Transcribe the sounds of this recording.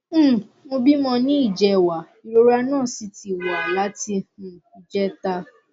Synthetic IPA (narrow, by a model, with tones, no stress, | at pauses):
mo˧bi˦mɔ̃˧nĩ˦i˦˨d͡ʒɛ˧wa˨ | i˨ɾo˦ɾa˧nãː˦˨si˨˧ti˨wa˨la˨˦ti˧hũ˨i˨d͡ʒɛ˦ta˧